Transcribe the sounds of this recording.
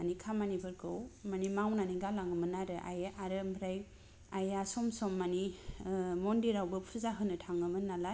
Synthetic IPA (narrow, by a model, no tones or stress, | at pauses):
anikʰamanibɯɾkʰɯwmanimawnaniɡalaŋɯmɯnaɾɯʔa̰jaʔaɾɯmbɾaj | ajasɔmsɔmːani | mɔndiɾawbɯpʰɯzaɦɯnɯtʰaŋɯmɯnala